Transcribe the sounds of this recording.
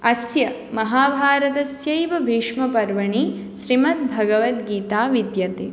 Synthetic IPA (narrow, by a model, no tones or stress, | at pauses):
ɐsjɐ | mɐɦaːbʱaːɾɐt̪ɐsjɐjʋɐbʱiːʂmɐpɐɾʋɐɳi | ʃɾimɐt̪̚bʱɐɡɐʋɐt̪ɡiːt̪aːʋid̪jɐt̪ḛː